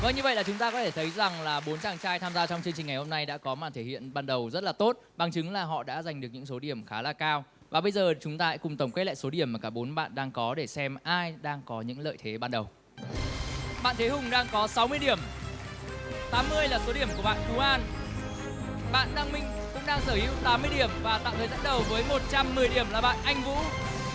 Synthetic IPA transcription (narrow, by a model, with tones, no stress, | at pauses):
vəː˧˩nɲɨ˧və̰˧˨jlaː˨˩t͡ɕʊ˨˦ŋ͡mt̪aː˧kɔ˨˦t̪ʰe˧˩t̪ʰə˨˦jza˨˩ŋlaː˨˩ɓo˨˦nt͡ɕaː˧˩ŋt͡ɕaː˧jt̪ʰaː˧mzaː˧t͡ɕɔ˧ŋ͡mt͡ɕɨ˧ŋt͡ɕi˨˩ŋ̟ŋa˨˩jho˧mna˧jɗa̰ː˧˥kɔ˨˦ma̰ː˧˨nt̪ʰe˧˩hḭ˧˨ənɓaː˧nɗə˨˩wzə˦˥t̚laː˨˩t̪o˦˥t̚ɓa˨˩ŋt͡ɕɨ˨˦ŋlaː˨˩ɦɔ̰˧˨ɗa̰ː˧˥za˨˩jŋ̟ɗɨ˨˩ək̚ɲɨ̰˧˥ŋso˨˦ɗi˧˩əmxaː˨˦laː˨˩kaː˧w | vaː˨˩ɓə˧jzəː˨˩t͡ɕʊ˨˦ŋ͡mt̪aː˧ha̰˧˥kʊ˨˩ŋ͡mt̪ə˧˩ŋ͡mke˦˥la̰ː˧˨jso˨˦ɗi˧˩əmaː˨˩kaː˧˩ɓo˨˦nɓa̰ː˧˨nɗaː˧ŋkɔ˨˦ɗe˧˩sɛ˧mʔaː˧jɗaː˧ŋkɔ˨˦ɲɨ̰˧˥ŋlə̰ː˧˨jt̪ʰe˨˦ɓaː˧nɗə˨˩w | ɓa̰ː˧˨nt̪ʰe˨˦ɦʊ˨˩ŋ͡mɗaː˧ŋkɔ˨˦sa˨˦wmɨ˧əjɗi˧˩əm | t̪aː˨˦mːɨ˧əjlaː˨˩so˨˦ɗi˧˩əmku˧˩əɓa̰ː˧˨nku˨˦ʔaː˧n | ɓa̰ː˧˨nɗaː˧ŋmï˧˨ŋ̟ | kʊ̰˧˥ŋ͡mɗaː˧ŋsəː˧˩hḭ˨˧˦wt̪aː˨˦mːɨ˧əjɗi˧˩əmvaː˨˩t̪a̰ː˧˨wt̪ʰəː˨˩jzə̰˧˥n̚ɗə˨˩wvəː˨˦jmo˨˩t̚t͡ɕa˧mːɨ˨˩əjɗi˧˩əmlaː˨˩ɓa̰ː˧˨nʔa˧jŋ̟vṵ˧˥